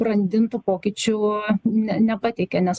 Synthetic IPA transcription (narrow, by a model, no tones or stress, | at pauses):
ɾɐnʲd̪ʲɪnt̪uːpoːkʲit͡ʃʲʊnʲɛnʲɛpɐt̪ʲɛɪkʲɛnʲɛs